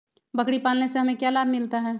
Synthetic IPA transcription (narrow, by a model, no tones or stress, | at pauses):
bəkɽipaːlneseɦɐmẽkjaːlaːbmɪlt̪aɦɛː